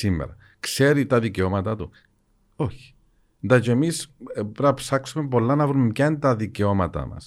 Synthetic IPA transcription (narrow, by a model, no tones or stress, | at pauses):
simːḛɾɐ | kse̞ɾit̪ɐðiceo̞mɐt̪ɐt̪u | o̞çi̥ | nd̪ɐt͡ʃeemispɾɐpsɐksumepo̞lːɐnɐvɾumecɐnt̪ɐðiceo̞mɐt̪ɐ̰mɐ̰s